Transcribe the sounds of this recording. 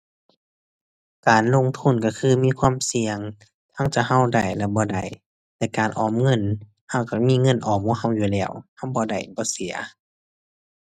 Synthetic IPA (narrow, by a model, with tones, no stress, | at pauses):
kaː˨˩nlo˧˨ŋt̪ʰu˧˥˨nka˧˩kʰɯː˧˥˨miː˧˥˨kʰwaː˧˥˨msi˨˧əŋ | t̪ʰa˧˥˨ŋt͡ɕa˧˩ɦa˧˥˨wda˨˩jlɛ˧˩bɔː˧da˨˩j | t̪ɛː˧˨kaː˨˩nʔɔː˨mŋɤ˧˥˨n | ha˧˩˨wka˧˩miː˧˥˨ŋɤ˧˥˨nʔɔː˨˩mhuː˧˥˨ha˧˥˨wjuː˧˨lɛː˧˩˨wha˧˥˨wbɔː˧da˨˩jbɔː˧˦si˨˦ɐ